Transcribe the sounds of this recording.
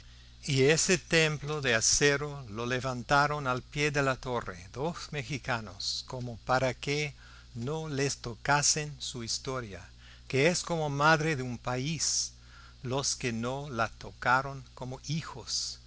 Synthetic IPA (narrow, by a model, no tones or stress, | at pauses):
ieset̪emploðeaseɾololeβant̪aɾonalpjeðelat̪orḛðosmexikano̰skomopaɾake | nolest̪okasensuist̪oɾja̰ | keesko̞momaðɾeðeumpais | loskenolat̪okaɾoŋkomoʔixos